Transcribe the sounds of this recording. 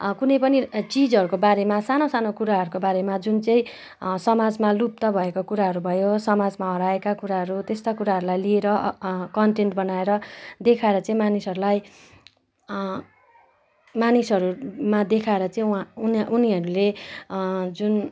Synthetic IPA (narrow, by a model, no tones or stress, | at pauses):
kunʌjpʌnit͡sid͡zʌɾukobaɾemasanosanokuɾaɦʌɾukobaɾemad͡zunt͡sʌ̃ĩ | sʌmad͡zmalup̚t̪ʌbʱʌekokuɾaɦʌɾubʱʌjosʌmad͡zmaɦʌɾaekakuɾaɦʌɾut̪est̪akuɾaɦʌɾulajlieɾʌkʌnʈenʈbʌnaeɾʌd̪ekʰaeɾʌt͡sʌ̃ĩmanisʌɾulaj | manisʌɾumad̪ekʰaeɾʌt͡sʌĩnʔuniɦʌɾule | d͡zun